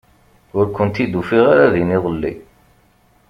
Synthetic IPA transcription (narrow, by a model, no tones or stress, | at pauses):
ʊɾkənt̪id̪ufiʁaɾaðiniðˤəlːḭ